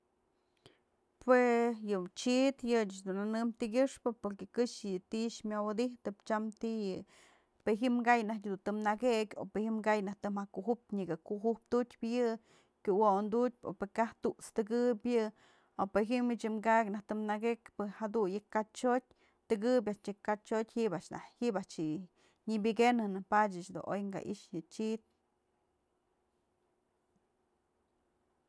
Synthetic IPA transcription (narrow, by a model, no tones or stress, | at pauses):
pwejɨt͡ʃit̪jɨt͡ʃd̪unanɨmt̪iɡʲɨʂpɨpoɾkekɨʂjɨt̪iʔʃmʲjawad̪iht̪ɨpt͡ʃamt̪ijɨ | peɦimɡajnahkʲd̪unt̪ɨmnaɡekʲo̰pehimɡajnaht̪ɨmhakuɦup̚ɲiɡakuʔɦupt̪ut͡ʃʲpjɨ | kʲuwond̪ut̚ʲpo̰pekaht̪uʔt͡st̪ɨɡɨbʲjɨ | opɨjɦimit͡ʃɨmɡaknaht̪ɨmnaɡekpɨhad̪ujɨkat͡ʃot̚ʲ | t̪ɨɡɨb̬ʲaʔt͡ʃɨkat͡ʃotʲhiʔbaʔʂna̰hibat͡ʃi | ɲɨbʲɨɡenɨnɨpadat͡ʃd̪ṵno̰jŋɡa̰ʔḭʂjɨt͡ʃit̪̚